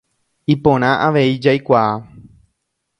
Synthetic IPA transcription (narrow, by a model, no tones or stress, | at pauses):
ipõɾ̃ãʔaʋe̞id͡ʒajkʷaa